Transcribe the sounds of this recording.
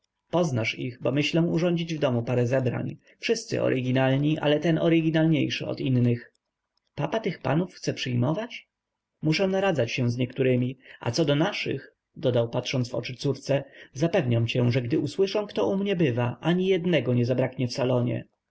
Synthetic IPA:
pɔznaʂixbɔmɘɕlɛ̃uʐɔɲd͡ʑid͡ʑvd̪ɔmupaɾɛzɛbɾa̰ɲ | fʂɘst̪sɘ̰ʔɔ̰ɾʔɘɡʲinalɲiʔa̰lɛt̪ɛnɔɾɪɡʲinalɲejʂɘɔ̰t̪inːɘx | papat̪ɘxpa̰nufxt̪sɛpʂɘjmɔvat͡ɕ | muʂɛw̃naɾad̪zat͡ɕɕɛ̃zɲɛkt̪uɾɘmʲiʔa̰t̪sɔd̪ɔnaʂɨ̰x | d̪ɔd̪awpat̪ʂɔnt̪vɔ̰t͡ʂɘt̪suɾt̪sɛzapɛvɲamt͡ɕɛʐɛɡd̪ɘʔuswɘʂɔ̃w̃kt̪ɔʔumɲɛbɘvaʔaɲijɛd̪nɛɡɔɲɛzabɾakɲɛfsalɔɲɛ̰

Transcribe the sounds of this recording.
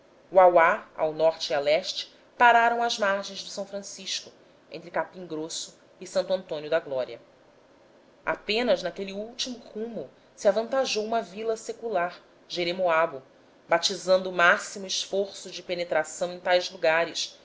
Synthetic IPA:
uawaa̰wnɔɾt͡ʃɪiawɛʃt͡ʃɪ̥ | paɾaɾɐ̃w̃ɐzmaɾʒẽj̃zd̪ʊsɐ̃w̃fɾɐ̃siʃkʊ | ḛ̃t̪ɾɪkapĩŋɡɾosʊ | ɪsɐ̃nt̪uɐ̃nt̪õnjʊd̪ɐɡlɔɾiɐ | a̰pẽnɐznakeliuwt͡ʃimʊhũmʊ | siavɐ̃nt̪aʒowũmɐvilɐsekulaɾ | ʒeɾemoabʊ | bat͡ʃizɐ̃nd̪ʊːmasimʊiʃfoɾsʊd͡ʒɪpenet̪ɾasɐ̃w̃ẽj̃t̪ajzluɡaɾɪʃ

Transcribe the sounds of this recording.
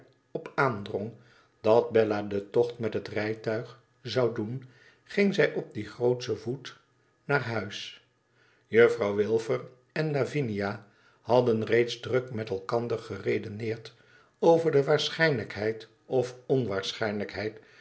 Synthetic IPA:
ɔpaːndrɔŋ | d̥ɑd̚bɛladətɔχtmɛtɦətrɛjtœɥχ | zɑwdun | χɪŋzɛjʔɔb̚diχrowtsəvut | naːɹɦœɥs | jøfrɑwʋɪlˠvəɹ | ɛnlavinija | hɑdənrejtzdrɵkmɛtɛlˠkɑndəɹχərejdənɪːɹt | owvəɹdəʋaːɹsχɛjnləkɦɛjt | ɔfɔnʋaːɹsχɛjnləkɦɛjt

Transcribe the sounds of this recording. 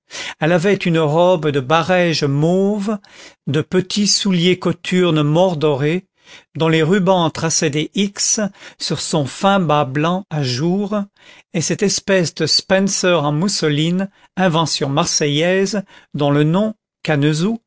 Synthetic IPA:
ɛlavɛt̪ynəʁɔbd̪əbaʁɛʒmov | d̪əpət̪ʰisuljekɔt̪ʰyʁnmɔʁd̪ɔʁe | d̪ɔ̃leʁybɑ̃t̪χasɛd̪eʔiksːyʁsɔ̃fɛ̃bablɑ̃aʒuʁ | esɛt̪ɛspɛsd̪əspɛ̃nsœʁɑ̃musəlin | ɛ̃vɑ̃sjɔ̃maʁsɛjɛzd̪ɔ̃lənɔ̃ | kanəzu

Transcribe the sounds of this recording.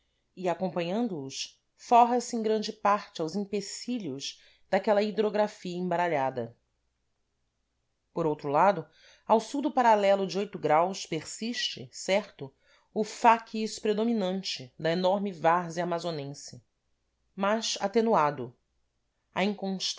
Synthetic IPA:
ɪakõpɐ̃ɲɐ̃nd̪ʊːs | fɔɦɐsɪẽɡɾɐ̃nd͡ʒɪpaɾt͡ʃɪawzĩpesiʎʊz | d̪akɛlɐid̪ɾoɡɾafiɐẽbaɾaʎad̪ɐ | poɾowt̪ɾʊlad̪ʊ | awsuwd̪ʊpaɾalɛlʊd͡ʒɪojt̪ʊɡɾawspeɾsiʃt͡ʃɪ̰sɛɾt̪ʊ | ʊfakʰiʃpɾed̪ominɐ̃nt͡ʃɪd̪ɐenɔɾmɪvaɾzɪamazonẽsɪ | maʃat̪enuad̪ʊ | ɐĩŋkõʃ

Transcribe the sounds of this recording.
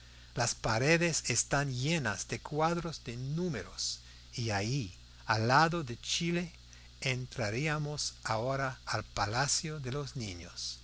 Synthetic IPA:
laspaɾeðesest̪anjenazd̪ekwaðɾozd̪enumeɾos | iaji | alːaðoðet͡ʃile | ent̪ɾaɾiamosaoɾaalpalasjoðelosnĩɲo̰s

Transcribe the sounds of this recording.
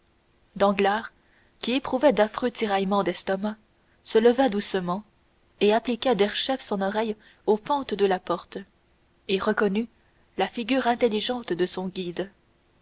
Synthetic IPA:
d̪ɑ̃ɡlaːʁ | kʲiepχuvɛd̪afχøt̪iʁajmɑ̃d̪ɛst̪ɔma | sələvad̪usəmɑ̃ | eaplikʲad̪ɛʁʃɛfsɔ̃nɔʁɛj | ofɑ̃t̪d̪əlapɔʁt̪ | eʁəkɔny | lafiɡʲyːʁɛ̃t̪elːiʒɑ̃t̪d̪əsɔ̃ɡʲid̪

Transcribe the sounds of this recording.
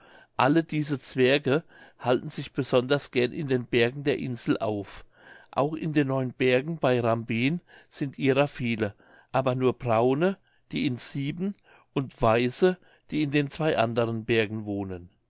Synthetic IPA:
ʔalədiːzət͡sv̥ɛɐɡə | haltn̩zɪçb̥əzɔndɐsɡ̥ɛɐnʔɪ̰ndeːnbɛɐɡŋ̩deːɐʔɪnzl̩ʔa̰ʊf | ʔa̰ʊxɪ̰ndeːnːɔʏənbɛɐɡŋ̩baɪʁambiːnz̥ɪntʔiːʁɐfiːlə | ʔaːbɐnuːɐb̥ʁaʊnə | d̥iːɪnsiːbm̩ | ʔʊntv̥aɪzə | d̥iːɪndeːnt͡sv̥aɪʔa̰ndəʁənbɛɐɡŋ̩voːnən

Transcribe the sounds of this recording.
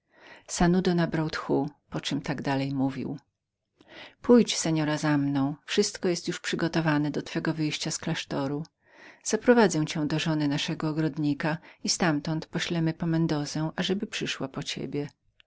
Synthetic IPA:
sanud̪ɔnabɾawt̪xupɔt͡ʂɨmt̪aɡd̪alɛjmuvʲḭw | pʰujt͡ɕsɛɲɔɾazamnɔ̃w̃fʂɘst̪kɔjɛst̪juʂpʂɘɡɔt̪ɔvanɛd̪ɔt̪fɛɡɔvɘjɕt͡ɕasklaʂt̪ɔɾu | z̥apɾɔvad̪zɛw̃t͡ɕɛ̃w̃d̪ɔʐɔnɘnaʂɛɡɔːɡɾɔd̪ɲikaist̪amt̪ɔnt̪pɔɕlɛmɘpɔmɛnd̪ɔzɛʔaʐɛbɘpʂɘʂwapɔt͡ɕḛbʲjɛ

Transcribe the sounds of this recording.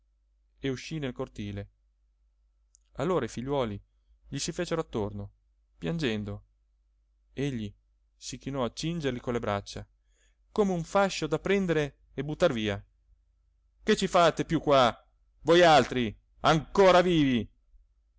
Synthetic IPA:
euʃːinelkort̪iːle | alːoːɾaifiʎːwɔːli | ʎisifeːt͡ʃeɾoat̪ːorno | pjand͡ʒɛnd̪o | eʎːi | sikinɔat͡ʃːind͡ʒerlikonlːebɾa̰t͡ʃːa | komeuɱfaʃːod̪apɾɛnd̪eɾeː | but̪ːarviːa | ket͡ʃːifat̪epjukːwa | vojalt̪ɾi | aŋkoːɾaviːvi

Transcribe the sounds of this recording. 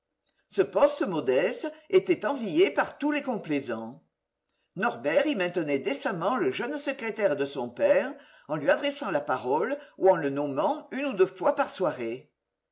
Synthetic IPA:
səpɔst̪əmɔd̪ɛst̪əet̪ɛt̪ɑ̃vijepaʁt̪ulekɔ̃plezɑ̃ | nɔʁbɛʁimɛ̃t̪ənɛd̪esamɑ̃ləʒœnsəkχet̪ɛʁd̪əsɔ̃pɛʁ | ɑ̃lɥiad̪ʁesɑ̃lapaʁɔluɑ̃lənɔmɑ̃ynud̪øfwapaʁswaʁe

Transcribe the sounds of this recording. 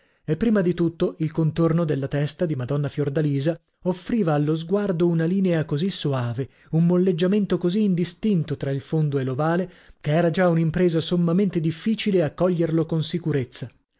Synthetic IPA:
epːɾiːmad̪it̪ut̪ːoilkont̪ornod̪elːat̪ɛst̪ad̪imad̪ɔnːafjord̪aliːza | ofːɾiːvaːlːozɡward̪ounaliːneakozisːoaːve | umːolːed͡ʒːament̪okoziːnd̪ist̪int̪ot̪ɾailfond̪oelːovaːle | keɛːɾad͡ʒaunimpɾeːzasomːament̪ed̪ifːiːt͡ʃileakːɔʎːerlokonsikuɾet̪sːa

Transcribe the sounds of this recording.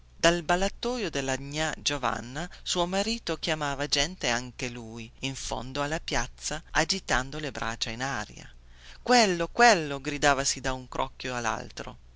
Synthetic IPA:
d̪albalat̪ːɔːjod̪elːaɲad͡ʒova̰nːasuːomaɾiːt̪ok̟jamaːvad͡ʒɛnt̪eaŋkeluːjiɱfo̰nd̪oalːapjat̪sːaad͡ʒit̪and̪olebɾʔa̰ːt͡ʃainaːɾj̰a̰ | kwelːokwelːoɡɾid̪aːvasid̪auŋkɾʔɔ̰kːjoalːa̰lt̪ɾo̰

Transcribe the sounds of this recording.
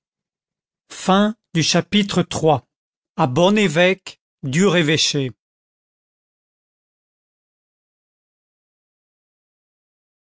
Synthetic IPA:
fɛ̃d̪yʃapit̪χət̪χwa | abɔnevɛk | d̪yʁeveʃe

